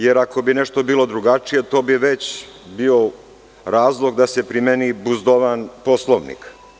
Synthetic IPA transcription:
je̞ɾako̞bine̞ʃt̪o̞biːlˠo̞d̪ɾuɡat͡ʂije̞t̪o̞ːbiʋe̞t͡ɕ | bio̞ | ɾaːzlˠo̞ɡd̪ase̞pɾimenibuzd̪oʋanpo̞slˠoʋnḭk

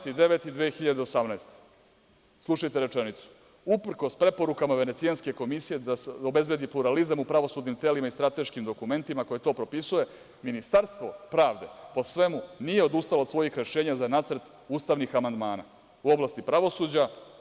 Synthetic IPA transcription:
t̪id̪eʋet̪id̪ʋexiʎad̪eosamnaest̪e̥ | slˠuʃajt̪eɾe̞t͡ʂenit̪su̥ | upr̩ko̞spɾe̞po̞ɾukamaʋe̞ne̞t̪sijanske̞ko̞misije̞d̪aobe̞zbe̞d̪ipluɾalizamupɾaʋo̞suːd̪nimt̪e̞limaist̪ɾat̪eʃkimd̪o̞kume̞nt̪imako̞je̞t̪o̞ːpɾo̞pisuje̞ | minist̪aɾst̪vʋo̞pɾaːʋd̪e̞po̞sʋe̞munije̞o̞d̪ust̪alod̪sʋo̞jixɾe̞ʃe̞ːɲazanaːt̪sɾt̪ | uːst̪aʋnixamand̪maːna̰ | uo̞blˠast̪ipɾaʋo̞suːd͡ʑa

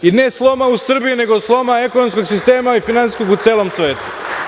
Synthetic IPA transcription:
ine̞slˠo̞mausr̩bijune̞ɡoslˠo̞mae̞konomsko̞ɡsist̪e̞ːmaifinant̪i̥sko̞ɡut̪seːlo̞msʋeːt̪u̥

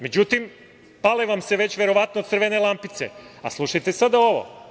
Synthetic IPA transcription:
me̞d͡ʑut̪im | paleʋamse̞ʋe̞t͡ɕʋe̞ɾo̞ʋat̪not̪srʋene̞lˠampit̪sḛa̰slˠuʃajt̪e̞sad̪ao̞ʋo̰

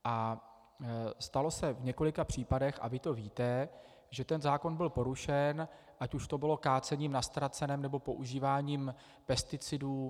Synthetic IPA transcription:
ʔa | st̪alo̞sɛvɲɛko̞lɪkapr̝̥iːpadɛxʔa̰vɪt̪o̞viːt̪ɛ | ʒɛt̪ɛnzaːko̞nbɪlpo̞ɾuʃɛn | ʔacuʃt̪o̞bɪlo̞kaːt͡sɛɲiːmnast̪ɾat͡sɛnɛmnɛbo̞po̞ʔuʒiːvaːɲiːm | pɛst̪ɪt͡sɪduː

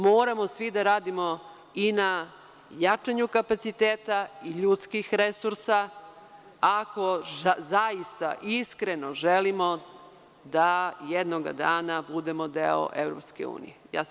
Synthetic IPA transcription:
moːɾamosʋid̪aɾaːd̪imo | ina | jat͡ʂaɲukapat̪sit̪eːt̪aiʎut̪skixɾesuɾsa | ako̞zajist̪a̰ʔiskɾe̞noʒelimo̞ | d̪ajed̪noɡa̰d̪aːnabud̪emo̞d̪eo̰ʔevɾo̰pskḛṵːnḭjeja̰ːs

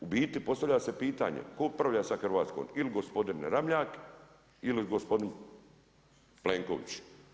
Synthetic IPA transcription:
ubiːt̪ipo̞st̪aʋlʎaːse̞piːt̪a̰ɲḛkoot̪̚pɾaʋʎaːsaxr̩ʋaːt̪sko̰miliɡospo̞d̪inɾamʎaːk | iliɡospo̞d̪in | pleŋko̰ʋḭt͡ɕ

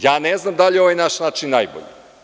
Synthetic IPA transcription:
jaːneznamd̪aʎio̞ʋajnaʃnaːt͡ʃinːajbo̰ʎḭ

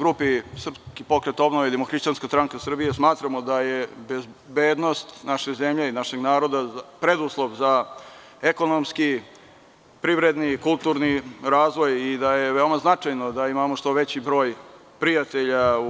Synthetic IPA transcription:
ɡɾupisr̩pskipo̞kɾet̪o̞bnoʋed̪emoxɾiʃt͡ɕanskast̪ɾaŋkasr̩bijesmaːt̪ɾamod̪ajebezbeːd̪no̞st̪naʃezemʎeinaʃe̞ɡnaːɾo̞d̪apɾed̪uslˠoʋza | eko̞nomski | pɾiʋɾed̪nikulˠt̪uɾniɾaːzʋo̞jid̪aje̞ʋeomaznat͡ʂajnod̪aimamoʂt̪o̞ʋet͡ɕibɾo̞ːj | pɾijat̪e̞ʎau

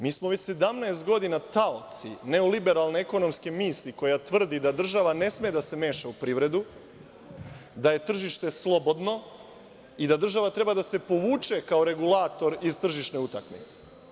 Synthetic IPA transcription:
miːsmoʋet͡ɕse̞d̪amnaest̪̚ɡo̞d̪inat̪aot̪sḭne̞olibe̞ɾalˠneeko̞no̞mskemiːsiko̞jat̪ʋr̩d̪id̪ad̪r̩ʒaʋane̞smeed̪ase̞me̞ːʃaupɾiːʋɾe̞d̪u | d̪aje̞t̪r̩ʒiʃt̪e̞slˠo̞bo̞d̪no̞ | id̪ad̪r̩ʒaʋat̪ɾe̞bad̪ase̞po̞ʋuːt͡ʃe̞kaoɾe̞ɡulˠaːt̪o̞ɾizt̪r̩ʒiʃneut̪akmḭt̪se̥

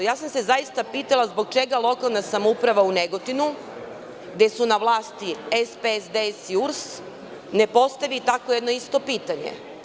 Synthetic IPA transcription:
jaːsamse̞zajist̪apiːt̪alˠazboɡ̚t͡ʃe̞ɡalˠo̞kalˠnasamoupɾaʋauneɡot̪inu | ɡd̪e̞sunaʋlˠaːst̪iespesd̪esiuɾs | ne̞po̞st̪aʋit̪akojed̪no̞ist̪o̞piːt̪aɲḛ

